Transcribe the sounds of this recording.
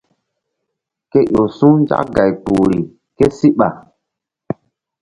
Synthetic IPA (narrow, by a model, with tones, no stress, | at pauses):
ke˦ʔo˨sũ˦n˦d͡ʒa̰˦kɡa˨jpu˨ɾi˨ | ke˦si˦ɓa̰˨